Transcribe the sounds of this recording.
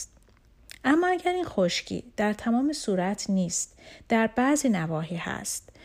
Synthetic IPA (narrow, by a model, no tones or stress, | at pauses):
t̪ | ʔæmːɒːæɟæɾiːnxoʃcʰḭːd̪̥æɾt̪ʰæmɒːmesuːɾæt̪ʰniːst̪d̪̥æɾbæzinævɒːɦiːhæ̰st̪̚